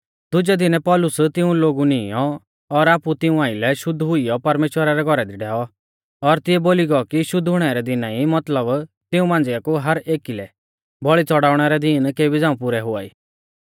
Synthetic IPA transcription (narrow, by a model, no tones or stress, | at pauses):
d̪ʊd͡ʒɛd̪ɪnɛpɔːlʊst̪ɪũloːɡunɪjɔ | ɔɾaːput̪ɪũãːɪlɛʃʊd̪ʱɦʊijɔpɐɾmeːʃwəɾaɾɛɡʱɔɾɛd̪iɖʱɛːɔ | ɔɾt̪ɪɛboːliɡɔkiʃʊd̪ʱɦʊɽ̃ɛɾɛd̪ɪnãːimɐt̪ləb | t̪ɪũmãːn̆d͡zɪakuɦɐɾʔeːkilɛ̰ | bɔɭit͡sɔɽaːʊɽ̃ɛɾɛd̪iːnkeːbid͡zãːũpʊɾɛɦʊa̰ːḭː